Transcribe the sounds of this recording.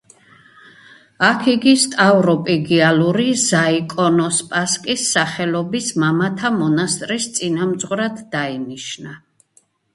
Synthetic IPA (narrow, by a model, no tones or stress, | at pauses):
akʰiɡist̪ʼavɾɔpʼiɡialuɾizaikʼɔnɔspʼaskʼisːaχɛlɔbismamat̪ʰamɔnast̪ʼɾist̪sʼinamd̪zʁwɾad̪d̪ainiʃna